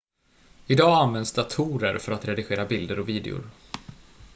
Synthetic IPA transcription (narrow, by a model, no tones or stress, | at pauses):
ɪd̪ɑːanvɛnd̪sd̪at̪ʰuːɾə̰ɾfœɾat̪ɾɛd̪ɪɧeːɾabɪld̪əɾɔviːd̪ɛ̰ʊ̰ɾ